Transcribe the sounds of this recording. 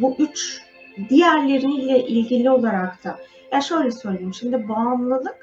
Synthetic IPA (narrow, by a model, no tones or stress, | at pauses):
buʔyt͡ʃ | d̪ijæɾlʲe̞ɾinilʲɛʔilʲɟilʲio̞lˠaɾakt̪ʰa | jaʃø̞jlʲɛsø̞jlʲejimʃimd̪ɪbaːmlˠɯlˠɯk